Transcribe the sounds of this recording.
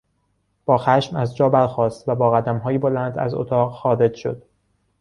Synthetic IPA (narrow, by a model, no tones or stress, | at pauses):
b̥ɒːxæʃmæzd͡ʒɒːbæɾxɒːst̪væbɒːɣæd̪æmɦɒːjebolænd̪æ̰zo̰t̪ʰɒːʁxɒːɾe̞d͡ʒʃo̰d̪̥